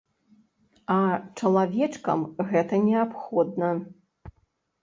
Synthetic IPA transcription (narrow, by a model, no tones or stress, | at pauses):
ɐt͡ʂɐlˠavʲɛt͡ʂkɐ̰mɣɛt̪ɐnʲɛapxɔd̪̚nɐ